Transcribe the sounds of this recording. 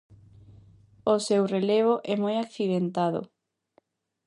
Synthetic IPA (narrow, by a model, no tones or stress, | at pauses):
osewreleβoʔɛmojakθiðent̪aðʊ̰